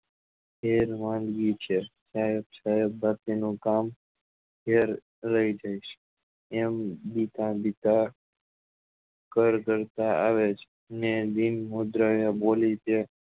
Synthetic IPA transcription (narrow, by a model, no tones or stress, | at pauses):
ɦeɾmãnd̪ɡit͡ʃʰesaɦebsaɦebbʱakinũkam | ɡʱeɾ | ləid͡ʒajʃe | embit̪ãbit̪a | kəɾkəɾt̪aa̰ʋet͡ʃʰe | ned̪inmod̪ɾaʋjabolit͡ʃe